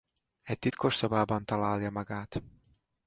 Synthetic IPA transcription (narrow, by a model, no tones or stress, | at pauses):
ɛc̚t̪it̪kʰo̞ʃsobaːbɒnt̪ɒlaːljɒmɒɡaːt̪